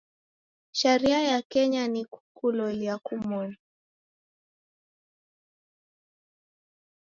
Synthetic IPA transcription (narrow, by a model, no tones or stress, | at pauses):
ʃɛɾiajakɛɲaniku̥kulɔliakumɔn